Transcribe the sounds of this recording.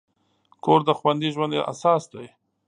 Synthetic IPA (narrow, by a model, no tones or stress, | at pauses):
kʰoɾd̪əxwand̪iʒwand̪j̰ʔa̰sɑsd̪aj